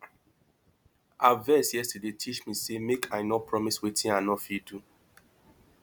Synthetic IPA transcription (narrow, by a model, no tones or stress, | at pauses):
ʔavɛsjɛstədetʰit͡ʃmisemekʰajnɔpʰɹɔmiswetʰĩnãnɔfidu